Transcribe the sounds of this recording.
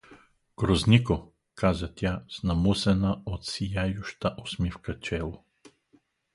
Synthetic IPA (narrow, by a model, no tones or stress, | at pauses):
ɡ̥ɾozniko | kazət̪ʲjasnɐmusɛnaot̪sijajʊʃt̪aʔosmifkət͡ʃɛlˠo